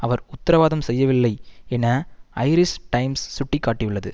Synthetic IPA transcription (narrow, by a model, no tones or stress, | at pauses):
ɐʋɐɾʊt̪ːɐɾɐʋaːðɐmsɛjːɐʋɪlːɐɪɛnɐɐɪɾɪsʈɐɪmsːʊʈːikːaːʈːiʋɪɭːɐðɯ